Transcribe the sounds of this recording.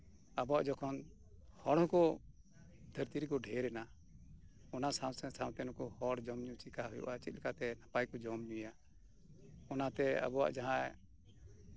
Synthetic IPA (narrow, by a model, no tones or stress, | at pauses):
abɔwa̰ʔd͡ʒɔkʰɔn | hɔɽɦɔ̃kɔ | d̪ʱəɾt̪iɾikɔɖʱɛɾɛna | ɔnasawsɛ̃sãw̃t̪ɛnɔkɔhɔɽd͡ʒɔmɲut͡ʃikaɦujɔ̰ʔat͡ʃit̪̚ˀlɛkat̪ɛnapajkɔd͡ʒɔmɲuja | ɔnat̪ɛa̰bɔwa̰ʔd͡ʒaɦã